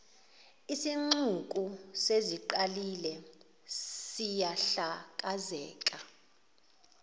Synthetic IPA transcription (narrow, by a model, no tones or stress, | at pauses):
isiŋ͡ǀuk̬ʼuseziǃalilɛ | sijaɬak̬ʼazɛ̰ːkʼa